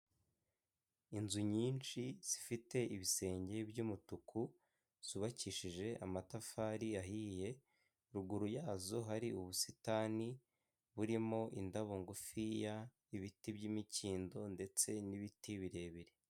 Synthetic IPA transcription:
inzuɲiːnt͡ʃiz̥ifite̞ʔiβise̞ːɲɟe̞bjumutukʰu | z̥uβaciʃiʒe̞ʔamatafaːɾijaɦiːje̞ | ɾuɡuɾujaːzo̞ɦaɾiuβusitaːni | βuɾimo̞ʔindaβoŋɡofija | iβitibɟimiciːndo̞nde̞t͡se̞niβitiβiɾe̞ːβiɾe

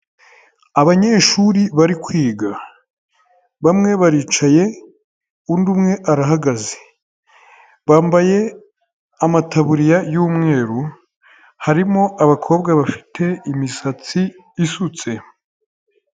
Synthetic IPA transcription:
aβaɲe̞ʃuɾiβaɾikwiːɡa | βamŋe̞βaɾiːt͡ʃaje̞ | undumŋe̞ʔaɾaɦaɡaze̥ | βaːmbaje̞ | amataβuɾijajuːmŋe̞ːɾu | haɾimo̞ʔaβakʰo̞ːbɡaβafi̥tʰe̞imisat͡siː | sut͡se̞

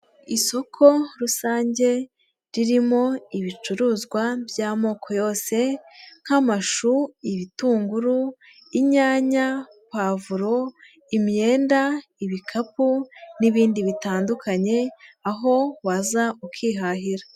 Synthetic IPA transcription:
iso̞kʰo̞ɾusaːɲɟe̞ | ɾiɾimo̞iβit͡ʃuɾuːzɡwabjaːmo̞ːkʰo̞jo̞ːse̞ŋ̥hamaʃuiβituːŋɡuɾu | iɲaːɲa | pavuɾo̞ | imje̞ːndaiβikʰapuniβiːndiβitaːndukʰaɲe̞aɦo̞wazaukʰiːɦaɦiɾa

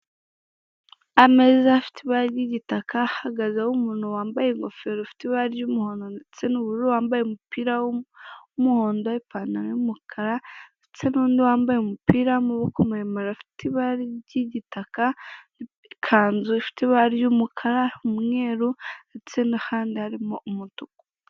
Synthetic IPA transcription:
amezaafi̥tʰiβaɾiɟiɟitakʰahaɡazawumunowaːmbajeŋɡofeɾofi̥tiβaɾijumuhoːndonet͡senuβuɾowaːmbajemupiɾa | umuho̞ːndoipaːnanejumukʰaɾaet͡senuːndiwaːmbajemupiːɾamuβokumemaɾafi̥tʰiβaɾiɟiɟitaka | kʰaːnzufi̥tiβaɾijumukʰaɾaɾmŋeːɾunet͡senahaːndihaɾimoʔumutuku̥

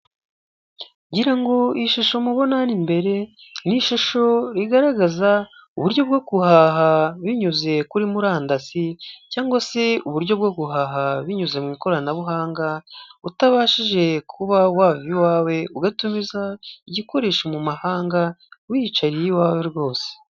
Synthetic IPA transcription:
ɟiɾaŋɡo̞iʃaʃo̞muβo̞nanimbe̞ɾe̞niʃaʃo̞ɾiɡaɾaɡazauβuɾɟo̞b̚ɡoɡuhaːɦaβiɲuze̞kuɾimuɾaːndasicaːŋɡwase̞uβuɾɟo̞b̚ɡoɡuɦaːɦaβiɲuze̞mŋiːko̞ɾanaβuɦaːŋɡautaβaːʃiʒe̞kʰuβawaːviwaːwe̞uɡatumizaiɟiko̞ɾe̞ːʃomumahaːŋɡawit͡ʃaɾijiwaːwe̞ɾɡo̞ːse̥

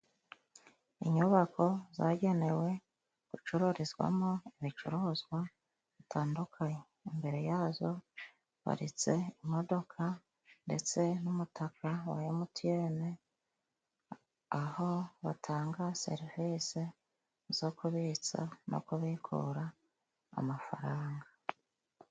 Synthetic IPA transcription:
ḭɲuβakʰo̞zaɟe̞ne̞we̞ | ɡ̥ut͡ʃuɾuɾizɡwa̰moiβit͡ʃuɾuːzɡwa | βitʰaːndukʰaɲe | imbe̞ɾe̞jaːzo̞ | βa̰ɾit͡se̞imo̞do̞kʰa | nde̞̰t͡se̞numutʰakʰawa̰jemutʰije̞ːne | aho̞βa̰tʰaːŋɡase̞̰ɾiviːse | z̥o̞kuβiːt͡sa̰nʔo̰kuβikʰṵɾa̰ː | mafa̰ɾaːŋɡa

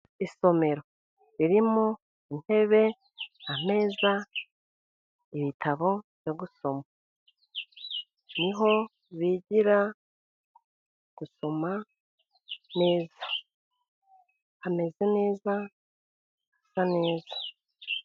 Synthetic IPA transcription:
iso̞me̞ɾo̞ | ɾiɾimu | in̥he̞βe̞ | am̥e̞ːza | iβitʰaβo̞βjoɡuso̞ma | niɦo̞ | βiɟiɾa | ɡ̥uso̞ma | ne̞ːza | hame̞ze̞ne̞ːza | hasane̞ːzḁ

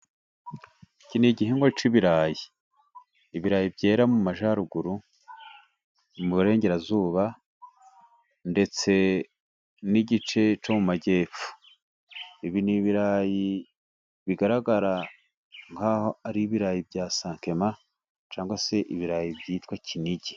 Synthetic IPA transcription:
iciniɟiɦeŋɡot͡ʃiβiɾaːjiː | βiɾaːjibɟe̞ːɾamumaʒaɾuɡuɾu | muβuɾe̞ːɲɟe̞ɾazuːβa | nde̞t͡se̞ | niɟit͡ʃe̞t͡ʃomumaɟe̞ːp͡fu̥ | iβiniβiɾaːji | βiɡaɾaɡaɾa | ŋhaːho̞aɾiβiɾaːjibɟaːsaːŋke̞ma | t͡ʃaːŋɡwase̞ʔiβiɾaːjibjiːtkwacʰiniɟi

